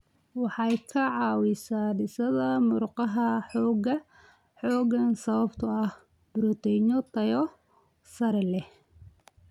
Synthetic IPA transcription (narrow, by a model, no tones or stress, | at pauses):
wɑħɑjkʰɐʕɑːwɪsaːɖɪsɐðɐmʊrqɑɦɐħɔːɣɐ | ħɔːɣɐnsɐβɐbt̪ʰɐɐh | bʊɾɔt̪ʰɛɲɔt̪ʰɐjɔ | sɐɾɛlɛ